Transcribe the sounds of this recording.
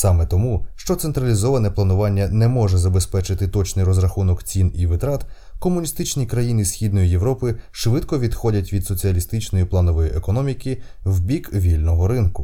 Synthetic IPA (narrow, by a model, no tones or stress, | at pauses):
sɑmɛt̪ɔmuʃt͡ʃɔt̪sent̪ɾɐlʲizɔʋɐnɛplˠɐnʊʋɑnʲːɐnɛmɔʒɛzɐbespɛt͡ʃɪt̪ɪt̪ɔt͡ʃnɪjɾɔzɾɐxunɔkt͡sʲiniʋɪt̪ɾɑt̪ | kɔmʊnʲist̪ɪt͡ʃnʲikɾɐjinɪzsʲxʲid̪nɔjijeʋɾɔpɪʃʋɪt̪kɔʋʲid̪xɔdʲɐtʲʋʲid̪sɔt͡sʲiɐlʲist̪ɪt͡ʃnɔjiplˠɑnɔʋɔjiʔekɔnɔmʲikʲiwbʲikʋʲilʲnɔɦɔɾɪnkʊ